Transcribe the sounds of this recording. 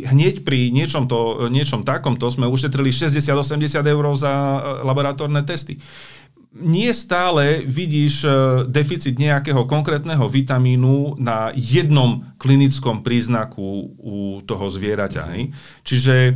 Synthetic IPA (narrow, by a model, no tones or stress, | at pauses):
ɦɲɛcpɾiɲɪɛt͡ʃɔmt̪ɔɲɪɛt͡ʃɔmt̪akɔmt̪ɔzmɛuʃɛt̪ɾiliʃɛzɟɛsɪad̪ɔsɛmɟɛsɪad̪ɛʊɾɔʊzalabɔɾat̪ɔɾnɛt̪ɛst̪i | ɲɪɛst̪aːlɛʋiɟiːʒd̪ɛfit͡sid̪ɲɛakɛːɦɔkɔŋkɾɛːt̪nɛɦɔʋit̪amiːnunajɛd̪nɔmklinit͡skɔmpɾiːznakʰuut̪ɔɦɔzʋɪɛɾaca̰ɦɛ̰j | t͡ʃiʒɛ